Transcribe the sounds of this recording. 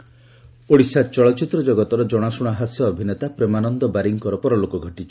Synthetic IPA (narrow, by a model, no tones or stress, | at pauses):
oɽisat͡ʃɔɭɔt͡ʃit̪ɾɔd͡ʒɔɡɔt̪ɔɾɔd͡ʒɔɽ̃asuɽ̃aɦasjɔːbʱinet̪apɾemanɔnd̪ɔbaɾiŋkɔɾɔpɔɾɔlokɔɡʱɔʈit͡ʃʰɔ̥